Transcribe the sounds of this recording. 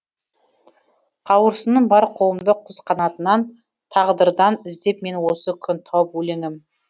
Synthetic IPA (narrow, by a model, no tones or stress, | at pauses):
qʰɑwəɾsənəɴbɑɾqʰow̪ˠəmd̪əqʰʊzqʰɑnɑt̪ənɑn | t̪ʰɑʁd̪əɾd̪ɑnɪzd̪e̞pme̞nwo̞səkʲʰʏnt̪ʰɑwəpwɵle̞ŋɪm